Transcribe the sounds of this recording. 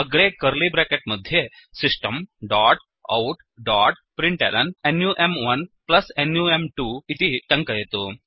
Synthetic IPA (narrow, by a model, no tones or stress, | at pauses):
əɡɽekəɾlibɾɛkeʈməd̪ʱːje | sisʈəmɖaʈ | ɐ̰wʈ | ɖaʈ | pɾiɳʈɛ̰ləɳenjuʔemʋɐnplɐsenjuemʈuit̪iʈɐŋkəjet̪o